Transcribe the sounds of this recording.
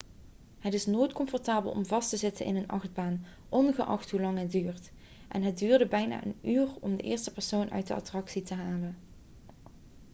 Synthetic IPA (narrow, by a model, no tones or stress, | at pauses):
ɦətɪsnojtkɔmfɔɹtaːbə̰lˠɔ̰mvɑstəzɪtə̰nʔɪ̰nənʔɑχd̚baːn | ʔɔnɣəʔɑ̰xtɦulɑŋɦət̚dyːrt | ʔɛnɦət̚dyːɹdəbɛjna̰ːʔə̰nyːrɔmdəʔɪːɹstəpɛɹsownʔœ̰ɥt̚dəʔɑ̰trɑksitəɦaːlən